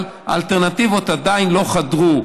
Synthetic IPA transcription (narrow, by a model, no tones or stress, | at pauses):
l | a̰lt̪eʁnat̪ivo̞t̪ad̪ainlo̞χad̪ʁu